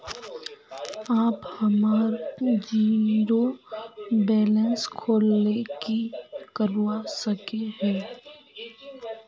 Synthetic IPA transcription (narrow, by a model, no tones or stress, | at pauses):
aːphɐmaːɾd͡ʒiːɾo | bɛːlənskʰoːlnekikəɾwasɐkeɦɛ̃ː